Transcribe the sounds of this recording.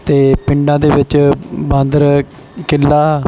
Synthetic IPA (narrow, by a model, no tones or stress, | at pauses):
t̪eːpɪɳɖãːd̪eːʋɪt͡ʃbãːnd̪əɾ | kɪlːaː